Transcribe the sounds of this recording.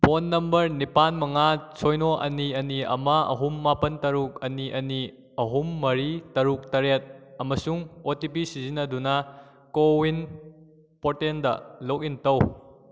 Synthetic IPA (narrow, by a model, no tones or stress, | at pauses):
ponːɐmbɐɾnipanmɐŋat͡ʃʰojnoʔɐ̰niɐniɐ̰mɐɐ̰ɦumːapɐntɐɾuk̚ɐniʔɐni | ɐɦumːɐɾitɐɾuk̚tɐɾet̚ɐmɐsuŋotip̬isizinɐdunɐ | kowin | potendɐ̰lok̬̚intɐw